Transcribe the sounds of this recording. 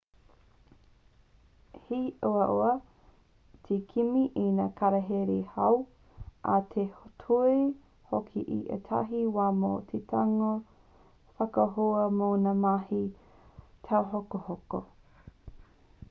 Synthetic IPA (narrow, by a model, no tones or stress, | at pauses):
hiʔoɐʔoɐ | tʰekʰimiʔenakʰaɾɐɦeɾehɐw | ʔatʰehotʰue | hokʰḭʔḭʔḛtʰa̰ɦiwaːmo̰ːtʰetʰaŋo | fɐkɐɦoɐmoːnamahi | tʰawɦokohoko